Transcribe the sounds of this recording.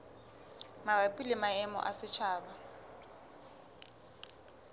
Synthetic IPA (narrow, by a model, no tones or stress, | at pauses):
mabapʼilɪmaɛmɔ̰ʔasɪt͡ʃʰaːba